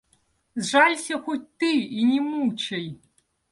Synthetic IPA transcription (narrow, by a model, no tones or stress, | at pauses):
zʐalʲsʲɐxɔtʲt̪ɨinʲimut͡ʃɐj